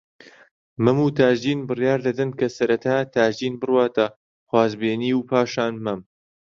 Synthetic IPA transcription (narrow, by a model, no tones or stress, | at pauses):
mɐmuːt̪ʰaːʒd̪iːnbɨrjaːɾd̪ɐd̪ɐnkʰɐsɐɾɐt̪ʰaːt̪ʰaːʒd̪iːnbɨrwaːt̪ɐ | χwaːzbeːniːwpʰaːʃaːnmɐm